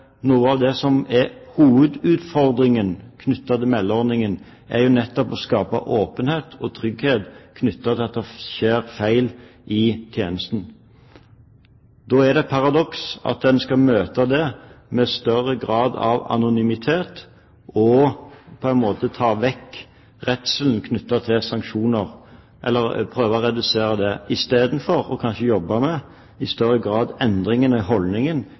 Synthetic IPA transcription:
nuːəɑʋd̪ɛsɔmɛhuːʋəd̪ʉːt̪fɔɾd̪ɾɪŋənkʰnʉt̪ːɑt̪əmɛlːɔʁnɪŋən | ʔæ̰ɾjʊnɛt̪ːɔpɔskɑːpɑ̰ʔoːpənheːt̪ʰɔt̪ʰɾʏɡheːt̪kʰnʏt̪ːɑt̪ʰɪɑt̪ːɛʃeːɾfæɪlʔɪt̪ʰjeːnəst̪n̩ | d̪oːæd̪ɛpʰɑɾɑd̪ɔksɑ̰t̪̚d̪ɛnskɑlmøːt̪ɑd̪ɛmɛst̪œrəɡɾɑːd̪ɑ̰ʋɑ̰nʊnʏmɪt̪ʰeːt̪ | ɔpʰɔænmoːt̪ət̪ʰɑːʋɛkː | ʁɛt̪səln̩kʰnʏt̪ːɑt̪ʰɪlsɑŋkʃuːnəʁ | ʔɛ̰lːəɾpʰɾøːʋɔɾɛd̪ʉseːɾəd̪ɛɪst̪eːd̪n̩fɔɾɔ̰kʰɑnʃəjɔbːɑmɛ | ɪst̪œɾːəɡɾɑːd̪ɛnd̪ɾɪŋənəɦɔlnɪŋən

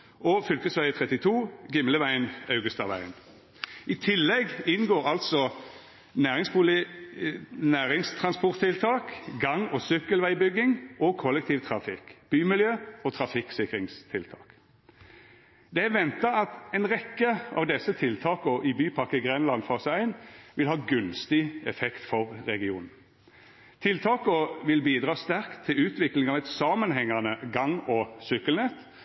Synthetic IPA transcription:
ɔfʏlkəsʋæɪət̪ʰʁɛt̪ɪt̪ʰuːɡɪmləʋæɪənɑʉɡəst̪ɑʋæ̰ɪən | ʔɪt̪ʰɪlːɛɡɪnɡoːʁɑlt̪sɔ | næːʁɪŋspʊlɪ | næːʁɪŋst̪ʰʁɑnspɔʁt̪ʰːɪlt̪ʰɑːkɡɑŋːɔsʏkːəlʋæɪbʏɡːɪŋɔkʰɔlːɛk̚t̪ʰiːʋt̪ʰʁɑfɪkb̥yːmɪljøːɔt̪ʰɾɑfɪksɪkɾɪŋst̪ʰɪlt̪ʰɑ̰ːk | d̪ɛæʋɛnt̪ɑɑt̪ɛɪnɾɛkːəɑ̰ʋd̪ɛsət̪ʰɪlt̪ʰɑːkɔʔɪbyːpʰɑkːəɡʁɛnlɑnfɔsæɪnʋɪlhɑːɡʉnst̪ɪɛfɛkt̪fɔʁːɛɡɪṵːnn̩ | t̪ʰɪlt̪ʰɑːkɔʋɪlbiːd̪ɾɑːst̪æʁkt̪ʰːɪlʉːt̪ʋɪklɪŋɑʋɛt̪sɑmənɦɛŋːɑnəɡɑŋːɔsʏkːəlnɛt̪

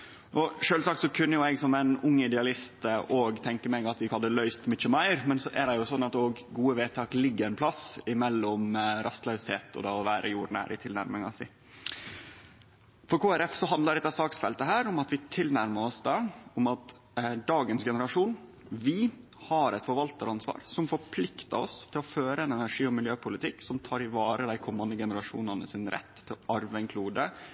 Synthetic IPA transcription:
ʔɔʃøːlsɑk̚t̪sɔkʰʉnːəjʊɛɡsɔmæɪnʊŋːɪd̪ɛɑlɪst̪ʔoːɡt̪ʰɛŋkəmɛɡɑt̪ʋɪkʰɑld̪əlœʏst̪mɪt͡ʃəmæɪɾmɛnsɔʔæd̪ɛjʊsɔnːɑt̪oːɡɡuːəʋeːt̪ʰɑːklɪɡːəɾɛnpʰlɑsɪmɛlːɔmɾʔɑst̪lœʉsheːt̪ʰɔ̰d̪ɛɔʋæːɾʔə̰juːɾnæ̰ːɾʔɪ̰t̪ʰɪlnæ̰ɾmɪŋɑ̰sɪ | fɔɾkuːæɾɛfsɔɦɑnd̪ɑɾɛt̪ːɑsɑːksfɛlt̪əɦæːɾʊmɑt̪ʋɪt̪ʰɪlnæɾməɔsd̪ɑːʊmɑt̪ | d̪ɑːɡənsɡɛnəɾɑʂuːn | ʋɪ | hɑɾɛɪt̪fɔɾʋɑlt̪ɑɾɑnsʋɑ̰ːɾsɔmfɔɾpʰlɪkt̪əɔ̰st̪ʰɪlɔføːɾəɛnɛnæʂiːɔmɪljøːpʰʊlɪt̪ʰɪkːsɔmt̪ʰɑːɾɪʋɑːɾəd̪æɪkʰɔmːɑnd̪əɡɛnəɾɑʂṵːnɑnəsɪnɾʔɛ̰t̪ʰːɪlɑɾʋɛŋkʰluːd̪ə

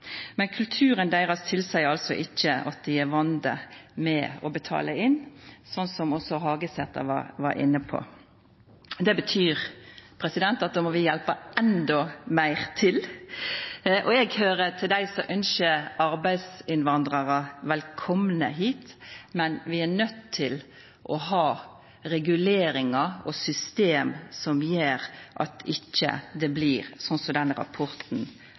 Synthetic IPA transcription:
mɛnkʰʉlt̪ʰʉːɾənd̪æɪʁɑst̪ʰɪlsæɪɑlsɔʔɪçːəɑ̰t̪̚d̪ɪæʋɑnd̪əmɛɔbət̪ʰɑ̰ːləɪnːsɔnːsɔmɔsɔɦɑːɡəsɛt̪ːɑ̰ʋɑ̰ɾʋɑ̰ɾɪ̰nːəpʰɔ̰ | d̪ɛbət̪ʰyːɾpʰɾɛsɪd̪ɛnt̪ɑt̪̚d̪oːmɔʋɪjɛlpəɛnd̪ɔmæɪʁt̪ʰɪl | ʔɔɛɡhøːɾət̪ʰɪld̪æɪsɔʔœnʃəɑɾbæɪd̪sɪnʋɑnd̪ɾɑɾəʋɛlkʰɔmnəɦiːt̪mɛnʋɪæɾnœt̪ʰːɪl | ʔɔɦɑː | ɾɛɡʉleːɾɪŋɑɔsʏst̪eːmsɔmjeːɾʔɑ̰t̪ɪçːə̰d̪ɛbliːɾsɔnsɔd̪ɛnɾɑ̰pʰɔɾt̪n̩

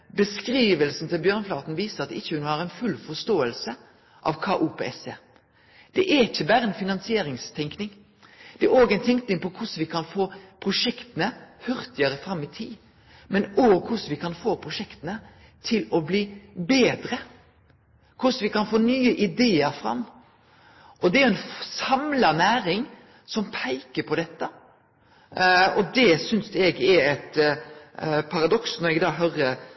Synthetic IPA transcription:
bəskɾiːʋəlsn̩t̪ɪlbjœːʁnəflɑːt̪n̩ʋiːsəʁɑt̪ɪçːəhʉnhɑʁɛnfʉlfɔst̪oːəlsə | ʔɑ̰ʋkʰɑːʔuːpʰḛːɛseː | d̪̥ɛʔæɾɪçəbæːɾəɛnfɪnɑnsɪeːɾɪŋst̪ʰɛŋknɪŋ | d̪̥ɛæɾoːɡɛɪnt̪ʰɛŋknɪŋpɔkʰʊsʋɪkʰɑnfoːpʰɾʊʂɛkt̪ənəhœʁt̪ɪəʁəfɾɑmːɪt̪ʰiː | mɛnoːɡkʰʊsʋɪkʰɑnfoːpʰʁʊʂɛkt̪ənə | t̪ʰɪlɔbliːbeːd̪ɾə | kʰʊsʋɪkɑnfoːnyːəʔɪd̪eːəɾfɾɑ̰mː | ʔɔd̪ɛæɾʊɛnfsɑmlɑnæːɾɪŋ | sɔmpʰæɪkəpʰɔd̪ɛt̪ːə | ɔd̪ɛsʏnsɛɡɛɾɛt̪ | pʰɑɾɑd̪ɔksnɔɾɛɡd̪ɑːɦœɾə

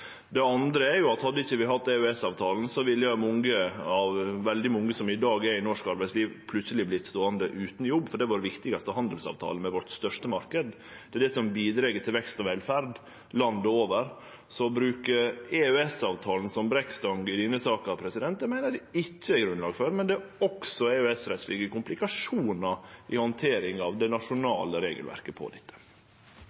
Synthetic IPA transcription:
d̪ɛɑnd̪ɾəɛɾjʊɑt̪hɑd̪ːəɪçːəʋɪɦɑt̪ːɛœɛsɑːʋt̪ʰɑːln̩sɔʋɪlːəjɑmɔŋəɑʋʋɛld̪ɪmɔŋːəsɔmɪd̪ɑːɡɛɾɪnɔʂkɑɾbæɪsliːʋpʰlʉt̪səlɪblɪt̪ːst̪oːənd̪əʔʉːt̪n̩jɔbːfɔɖɛʋɑɾʋɪkt̪ɪɡɑst̪əɦɑnd̪əl̩sɑ̰ʋt̪ʰɑ̰ːləmɛʋɔʈːst̪œʂʈəmɑɾkəd̪ | d̪̥ɛæd̪ɛsɔmbiːd̪ɾɛɡət̪ʰɪlʋɛkst̪ɔʋɛlfæɾd̪ | lɑnd̪əoːʋəɾ | sɔbɾʉːkəɾeœɛsɑːʋt̪ʰɑːln̩sɔmbɾɛkst̪ɑŋɡɪd̪ɪnːəsɑːkɑpʰɾɛsɪd̪ɛnt̪d̪ɛmæɪnəd̪ɛɪt͡ʃːəɛɡɾʉnlɑːɡføɾmɛnd̪ɛɔksɔɛœɛsɾɛt̪slɪɡəkʊmplɪkɑʂuːnɑʔɪhɔnt̪ʰeːɾɪŋɑʋd̪ɛnɑʂʊnɑ̰ːləɾeːɡəlʋæ̰ɾkəpʰɔ̰d̪ɛt̪ʰːə̥

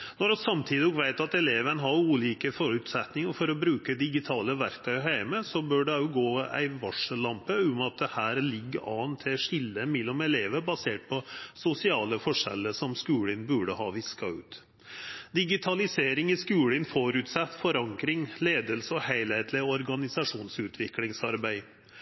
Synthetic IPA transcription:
nɔɾɑsɑmt̪ʰiːd̪ɪɡʋæɪt̪ɑt̪ɛleːʋənəɦɑɾuːliːkəfɔɾʉt̪sɛt̪nɪŋəɾfɔɾɔbɾʉːkəd̪ɪɡɪt̪ʰɑːləʋæɾkt̪ʰœɦæɪməsɔbœːɖɛʊɡoːæ̰ɪʋɑʂəlɑmpəʊmɑt̪̚d̪ɛhæːɾlɪɡːəɑ̰ːnt̪ʰːɛʂɪlːəmɛlːɔmɛleːʋəbɑseːʈ̚pʰɔsʊsɪɑːləfɔʂɛ̰lːəʂɔmskʉːlɪnbʉɖəhɑːʋɪskɑʉ̰ːt̪ | d̪ɪɡɪt̪ʰɑlɪseːɾɪŋɪskʉːlɪnfɔɾʉt̪sɛt̪ːfɔɾɑŋkɾɪŋleːd̪əlsəɔhæɪlhæɪt̪ʰlɪɔɾɡɑnɪsɑʂuːnsʉːt̪ʰʋɪklɪŋsɑɾbæɪ

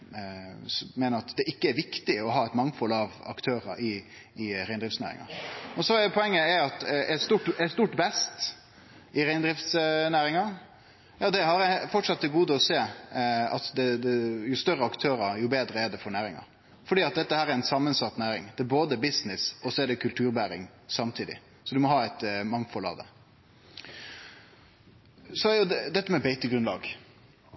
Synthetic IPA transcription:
mɛːnəɾɑt̪d̪ɛʔɪkːəæɾʋɪkt̪ɪɔɦɑːɛɪt̪mɑŋfɔlɑʋɑ̰kt̪ʰøːɾə̰ɾʔɪː | ɾæɪnd̪ɾɪft̪snæ̰ːɾɪ̰ŋɑ̰ɔsɔɛpʰɔɛŋːəæɑt̪ɛst̪uːʈɛst̪uːʈbɛst̪ | ɪɾæɪnd̪ɾɪft̪snæːɾɪŋɑ | jɑːd̪ɛhɑɾfɔʈʂɑt̪ːəɡuːd̪əɔseːɑ̰t̪d̪ɛd̪ɛjʊst̪œɾːəɑkt̪ʰøːɾəɾjʊbeːd̪ɾəæɖɛfɔɾɳæːɾɪŋɑ̰ɾ | fɔɖiːɑt̪̚d̪ɛt̪ːəhæːɾɛɾɛnsɑmːənsɑt̪ːnæːɾɪ̰ŋd̪ɛæboːd̪əbɪsnɪsɔsɔɛɖɛkʰʉlt̪ʰʉːɾbæːɾɪ̰ŋ | sɑmt̪ʰiːd̪ɪ̰ | sɔd̪ʉmɔɦɑːæɪt̪mɑŋfɔlɑ̰d̪ə̰ | sɔjʊd̪ɛd̪ɛt̪ːəmɛbæɪt̪əɡɾʉnlɑ̰ːɡ

